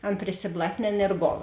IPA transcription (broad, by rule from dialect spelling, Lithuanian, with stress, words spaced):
ˈɐn pʲrʲɪsʲɪblˠɐtʲˈnʲeːn ɪr ˈɡoːlˠ